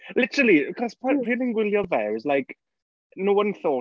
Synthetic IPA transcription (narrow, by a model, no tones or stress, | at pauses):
lɪtəɹəlˠikʰɔzpʰɔr̥iːlɪ̃ŋɡwɪlˠjəvɛwɪzlajk | nowə̃nθoː